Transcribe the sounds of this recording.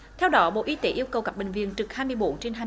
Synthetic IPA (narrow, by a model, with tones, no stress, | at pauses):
t̪ʰɛ˧wɗɔ˨˦ɓo̰˧˨ʔi˨˦t̪e˨˦ʔi˧əwkə˨˩wka˦˥p̚ɓï˨˩ŋ̟vḭ˧˨ənt͡ɕɨ˨˩k̚haː˧jmɨ˧əjɓṵ˧˩˦t͡ɕe˧nɦa˨˩